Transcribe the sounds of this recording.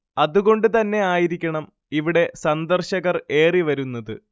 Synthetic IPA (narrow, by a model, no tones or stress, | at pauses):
ɐðuɣo̞ɳɖɨt̪ɐnːe̞aːjiɾikʲːɐɳɐm | iʋiɽe̞sɐnd̪ɐrɕɐɣɐre̞ːriʋɐɾunːɐðɨ